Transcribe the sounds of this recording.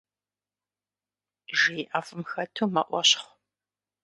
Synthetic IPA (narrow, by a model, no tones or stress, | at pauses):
ʒijʔaːfɨmxɐtʰuːmɐʔʷɔɕχʷ